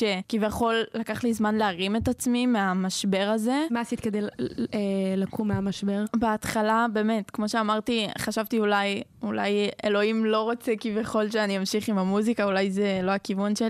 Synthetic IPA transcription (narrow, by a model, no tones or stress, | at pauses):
ʃekivjaχo̞lːakaχlizmanleaʁimetat͡smimeamaʃbe̞ʁaze̞masit̪ked̪elelakʰumeamaʃbe̞ʁbeat̪χalabe̞ːme̞tkmo̞ʃeamaʁtiχaʃavtiulajulajḛlo̞imlo̞ʁo̞t͡sekivjaχo̞lʃeaniamʃiχimamuzikaulajzelo̞akivunʃeli